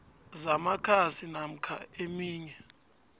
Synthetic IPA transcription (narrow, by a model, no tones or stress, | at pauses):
zamakʰasinam̩kʰa̰emiːɲɛ